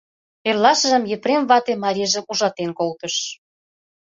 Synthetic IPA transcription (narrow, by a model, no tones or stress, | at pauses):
erlɑʃə̆ʒə̆mjĕpɾemβɑt̪emɑɾʲiʒĕʔuʒɑt̪enkolt̪ə̆ʃ